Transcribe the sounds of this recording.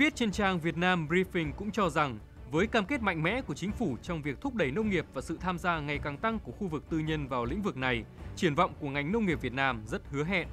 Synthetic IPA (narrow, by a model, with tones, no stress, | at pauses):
vi˦˥ət̚t͡ɕe˧nt͡ɕaː˧ŋvi˨˩ət̚naː˧mbɾi˧fï˧ŋ̟kʊ̰˧˥ŋ͡mt͡ɕɔ˧za˨˩ŋ | vəː˨˦jkaː˧mke˦˥t̚ma̰˧˨jŋ̟mɛ̰˧˥ku˧˩ət͡ɕï˨˦ŋ̟fu˧˩t͡ɕɔ˧wŋ͡mvi˨˩ək̚t̪ʰʊ˦˥k͡p̚ɗə˧˩jnə˧wŋ͡mŋi˨˩əp̚vaː˨˩sɨ̰˧˨t̪ʰaː˧mzaː˧ŋa˨˩jkaː˨˩ŋt̪a˧ŋku˧˩əxu˧vɨ˨˩k̚t̪ɨ˧ɲə˧nvaː˨˩wlḭ̈˧˥ŋ̟vɨ˨˩k̚na˨˩jt͡ɕi˧˩ənvɔ̰˧˨wŋ͡mku˧˩əŋa˨˩jŋ̟nə˧wŋ͡mŋi˨˩p̚vi˨˩ət̚naː˧mzə˦˥t̚hɨ˨˦əɦɛ̰˧˨nʔ